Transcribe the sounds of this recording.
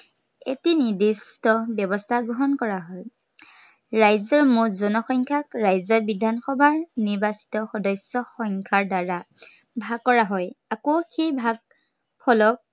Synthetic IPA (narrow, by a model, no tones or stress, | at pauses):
ḛtinidistɔbɛbɔstʰaɡɹɔɦɔnkɔɹaɦɔj | ɹajzɔɹmʊzɔnɔxɔŋkʰakɹajzɔbidʱanxɔbʱaɹniɹbasi̥tɔxɔdɔsjɔxɔŋkʰaɹdaɹa | bʱaɡ̚kːɔɹaɦɔjakoxejbʱaɡ̚ | pʰɔlɔk̚